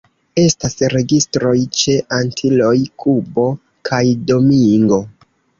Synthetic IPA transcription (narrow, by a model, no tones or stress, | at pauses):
e̞stasɾe̞ɡistɾo̞jt͡ʃe̞ʔantʰilo̞jkʰubo̞ | kʰajdo̞miŋɡo̞